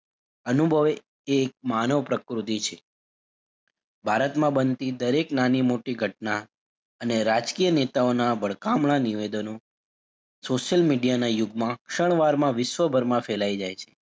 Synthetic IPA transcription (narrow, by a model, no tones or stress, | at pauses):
ənubʱəʋe | eːk̚manəʋpɾəkɾut̪̬it͡ʃʰe | bʱaɾət̪mãbənt̪id̪əɾeknanimoʈiɡʱəʈ̚na | əneɾad͡ʒkijənet̪aonabəɭkamɳaniʋed̪əno | soʃəlmiɖijanajʊɡmãkʃəɳ̃ʋaɾmãʋɪʃʋəbʱəɾmãfelaid͡ʒajt͡ʃʰe̥